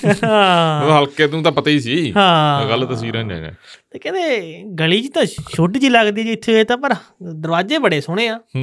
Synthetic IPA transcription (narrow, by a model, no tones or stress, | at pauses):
ãɦəlkeːt̪ũːt̪ãːpət̪aiːs̬iːɦãːɡəlt̪əs̬iːɾãːd͡ʒã̰d͡ʒɛ̰̃ːt̪eːkɛ̃ːd̪eːɡəliːt͡ʃit̪ãːʃoʈt͡ʃiːləɡd̪iːɛd͡ʒːɪt̪ʰːeːeːt̪ãːpəɾd̪əɾʋaːd͡ʒeːbəɽeːsʊɽ̃eːaː